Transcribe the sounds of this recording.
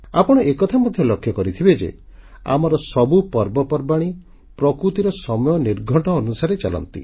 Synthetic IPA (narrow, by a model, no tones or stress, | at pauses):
apɔɽ̃ɔʔekɔt̪ʰamɔd̪ʱjɔlɔkʰːjɔkɔɾit̪ʰibed͡ʒḛ | a̰mɔɾɔsɔbupɔɾbɔpɔɾbaɽ̃i | pɾɔkɾut̪iɾɔsɔmɔjɔniɾɡʱɔʈɔːnusaɾet͡ʃalɔ̰nt̪ḭ